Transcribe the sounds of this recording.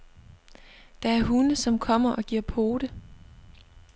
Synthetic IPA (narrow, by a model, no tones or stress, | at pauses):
d̥ɑ̈æɐɦunəsɒ̽mkʰɒ̽m̰ɐʔɒ̽ɡ̥iɐ̰pʰo̝ːd̥ə